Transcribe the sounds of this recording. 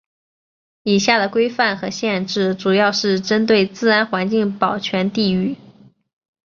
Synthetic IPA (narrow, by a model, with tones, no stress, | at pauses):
i˨˩ɕja˥˩d̪ə˩kwe˥ɪfa˥˩nxɤ˧˥ɕjɛ˥˧nʈ͡ʂɻ̩˥˩ʈ͡ʂu˨˩jɑ˥˧ʊʂɻ̩˥˩ʈ͡ʂə˥nt̪̬we˥˩ɪt͡sɹ̩˥˩ɻa˧˥nxwa˧˥nt͡ɕi˥˩ŋpɑ˨˩ʊt͡ɕʰɥɛ˧˥nt̪i˥˧y˥˩